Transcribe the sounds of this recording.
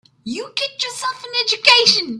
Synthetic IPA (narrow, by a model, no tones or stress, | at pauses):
jukit͡ʃjəsɛlˠfə̃nɛd͡ʒukeʃə̃n